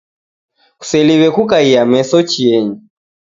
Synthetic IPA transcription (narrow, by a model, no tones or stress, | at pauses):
ku̥sɛliβɛkukaiamɛsɔt͡ʃiɛɲi